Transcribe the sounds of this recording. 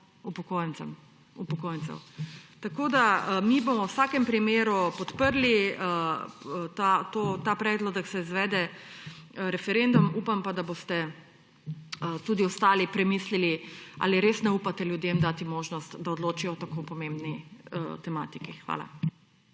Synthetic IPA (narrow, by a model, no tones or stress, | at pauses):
upɔkoːjɛnɛ̰m | upɔkoːjnt̪sɛ̰wt̪akoːd̪amibomɔwsaːkɛmpɾimeːɾupɔt̪pəɾli | t̪at̪oːt̪apɾɛːd̪lɔd̪ɐksɛizʋɛːd̪ɛ | ɾɛfɛɾend̪umuːpampad̪abost̪ɛ | ət̪uːd̪iɔst̪aːlipɾɛmiːslilia̰ːliɾeːsnɛuːpat̪ɛljud̪jemd̪aːt̪imoːʒnɔst̪d̪aɔd̪loːt͡ʃiɔt̪akopɔmembnit̪ɛma̰ːt̪ikixʋa̰ːla̰